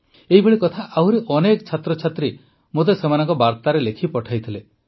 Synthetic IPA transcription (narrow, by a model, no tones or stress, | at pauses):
eɦibʱeɭikɔt̪ʰaʔawɾeʔɔnekɔt͡ʃʰat̪ɾɔt͡ʃʰat̪ɾi | mot̪̬esemanɔŋkɔbaɾt̪aɾelekʰipɔʈʰajt̪ʰile